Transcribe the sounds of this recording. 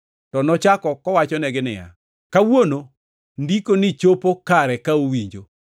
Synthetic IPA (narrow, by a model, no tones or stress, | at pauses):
tɔnɔt͡ʃakɔkɔwat͡ʃɔnɛɡɪnɪ̰ja̰ | kawono | ndikonɪt͡ʃopokaɾɛkaowiɲd͡ʒo